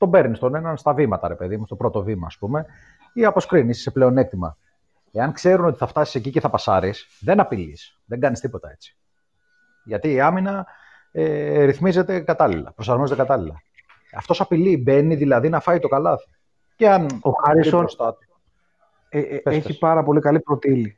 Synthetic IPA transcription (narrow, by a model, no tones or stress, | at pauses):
t̪o̞be̞ɾnist̪o̞ne̞nɐnst̪ɐvimɐt̪ɐ̰ɾe̞pe̞ðimust̪o̞pɾo̞t̪o̞vimɐ̰ːspume̞ | iɐpo̞skɾinisseple̞o̞ne̞kt̪imɐ̰ | e̞ɐnkse̞ɾuno̞t̪i̥θɐft̪ɐsi̥seciceθɐpɐsɐɾis | ðenɐpilis | ðeŋɡɐnist̪ipo̞t̪ɐe̞t͡si̥ | ʝɐt̪iːɐminɐ | eɾiθmize̞t̪e̞kɐt̪ɐlilɐ̰pɾosɐɾmo̞zet̪ekɐt̪ɐlilɐ | ɐ̰ft̪o̞sɐpilibe̞niðilɐðinɐfɐit̪o̞kɐlɐθi̥ | ceɐnoxɐɾisoost̪ɐt̪u | peesçipɐɾɐpo̞likɐlipɾot̪ili